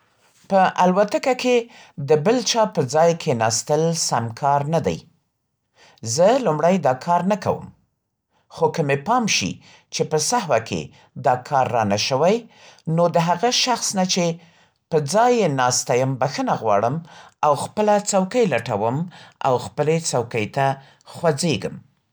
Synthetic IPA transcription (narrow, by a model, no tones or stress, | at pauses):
pəʔalwat̪akake | d̪əbəlt͡ʃɑpəd͡zɑjkʰenɑst̪əlsamkʰɑɾnad̪a̰j | zəlumɽajd̪ɑkʰɑɾnaka̰wə̰m | xokəmepɑmʃḭ | t͡ʃepəsaɦwakʰḛ | d̪ɑkʰɑɾːɑnaʃəwajnod̪əɦaɣaʃaxsnat͡ʃe | pəd͡zɑjenɑst̪ajəmbaxənaɣwɑ̰ɽəmawxpəlat͡sawkəjlaʈawəma̰wxpəlet͡sawkəjt̪a | xwad͡zeɡəm